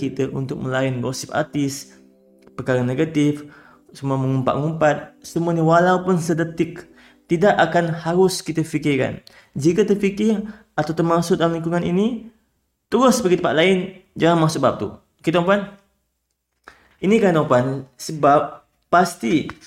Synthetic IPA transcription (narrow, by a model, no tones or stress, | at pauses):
kit̪əʔṵnt̪ʊk̚mə̃laɪnɡosɪpa̰t̪ɪs | pərkaɾaneɡat̪ɪf | səmuamə̃ŋumpa̰ʔŋumpat̪̚səmuaɲəwalaupʊnsədət̪ɪk | t̪idaʔakanhaɾʊskit̪əfikɪrka̰n | d͡ʒikat̪ərfikɪr | at̪awt̪ərmasʊt̪̚dalamliŋkuŋanḭni | t̪əɾʊsbaɡit̪əpat̪̚lʔaɪnd͡ʒaŋanmasʊbap̚t̪ṵ | kit̪mpan | inikant̪opansəbap̚ː | ast̪i